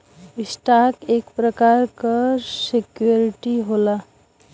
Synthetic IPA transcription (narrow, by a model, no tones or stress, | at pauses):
ɪsʈakeːkpɾəkaːɾkasekjoɾɪʈiɦola